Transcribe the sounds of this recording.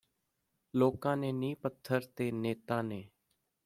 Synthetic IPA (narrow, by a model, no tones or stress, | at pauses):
loːkãːneːnĩːpət̪ʰːəɾt̪eːneːt̪aːneː